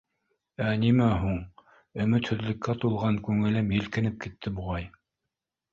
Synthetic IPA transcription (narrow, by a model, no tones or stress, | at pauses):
ænimæɦuɴ | ɵ̆mɵt̪hɵ̆ðlɘ̆kːæt̪ulˠʁɑŋkʉŋɘ̆lɘmjɘ̆lkɘ̆nɘp̚kit̪ʰːɘbuʁɑj